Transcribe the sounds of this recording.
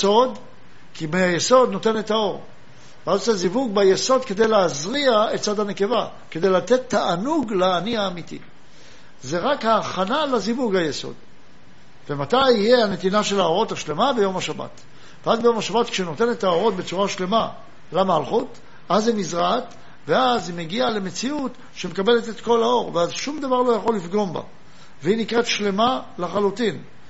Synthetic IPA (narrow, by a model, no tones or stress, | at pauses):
so̞d̪ | kimeajeso̞d̪no̞te̞ne̞tao̞ʁ | veazosezivuɡbajeso̞d̪̚ke̞d̪e̞jleazʁiae̞tt͡sad̪hane̞ke̞va | ke̞dejlat̪et̪ːaʔanuɡlaːniaːmit̪ḭ | zeʁakhaːχanalazivuɡhajeso̞̰d̪ | vemat̪ajijeane̞t̪inaʃe̞lao̞ʁo̞thaʃle̞mabe̞jo̞mhaʃaba̰t̪ | veazbejo̞maʃabat̪kʃeno̞t̪e̞ne̞t̪aoʁo̞t̪̚be̞t͡suʁaʃle̞ma | lamalχut | ʔazinizʁat | veazimeɡiale̞me̞t͡siut̪ | ʃemekabe̞le̞t̪e̞t̪ko̞lao̞ʁveazʃumd̪avaʁlo̞jaχo̞lːifɡo̞mba̰ | veinikʁet̪ʃle̞malaχalutin